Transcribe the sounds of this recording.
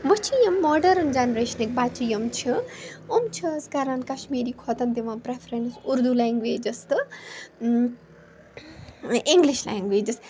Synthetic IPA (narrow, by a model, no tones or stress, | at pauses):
ʋɐt͡ʃʰijɐmːɔɖɐɾnd͡ʒanɾeːʃɐnek̚baːt͡ʃʰijɐmt͡ʃʰiomt͡ʃʰiskaɾankɐʃmiːɾikʰɔt̪ɐnd̪iʋãːpɾepʰɾensuɾd̪ulaːŋɡʋeːd͡ʒɐst̪ɨ | iŋɡliʃla̰ːŋɡʋeːd͡ʒɐs